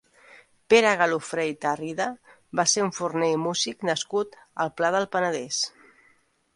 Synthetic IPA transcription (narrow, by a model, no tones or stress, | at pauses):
peɾəɣəlufɾejt̪ariðə | baseɾuɱfurnejmuziknəskut̪əlˠplaðəlˠpənəðes